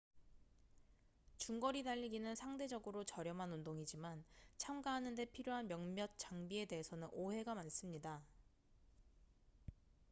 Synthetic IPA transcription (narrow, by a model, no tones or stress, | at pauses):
t͡ɕuŋɡʌɾidaʎːiɡinɯnsʰaŋde̞d͡ʑʌɡɯɾot͡ɕʌɾjʌmɦanundoŋid͡ʑimant͡ɕʰamɡaɦanɯnde̞pʰiɾjoɦanmjʌŋmjʌt̚t͡ɕ͈aŋbie̞de̞ɦesʰʌnɯnoɦe̞ɡamans͈ɯmɲida